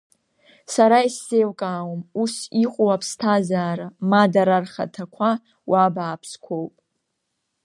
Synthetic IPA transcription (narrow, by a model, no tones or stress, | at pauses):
saɾaisːejwkʼaːwomusiχʷʼuwapʰstʰazaːɾamadaɾarχa̰tʰakʷʰa | wʔabaːpʰskʷʰo̞wpʼ